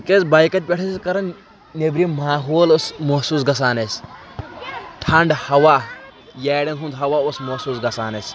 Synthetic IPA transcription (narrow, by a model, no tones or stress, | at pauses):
kesbɐːjkɐt̪̚ʲpʲeʈʰɐskɐɾɐn | nebɾimaːɦoːlosmɐsuːsɡɐs̬aːnɐsʲ | ʈʰɐɳɖhɐwaːjɛːɽɐnɦũnd̪ɦɐwaːosmɐsuːsɡɐsaːnɐsʲ